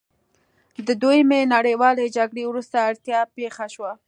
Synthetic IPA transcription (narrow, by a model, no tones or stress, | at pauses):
d̪əd̪ojəmenaɽəjwɑled͡ʒaɡɽewɾust̪aːɽt̪jɑpexaʃwa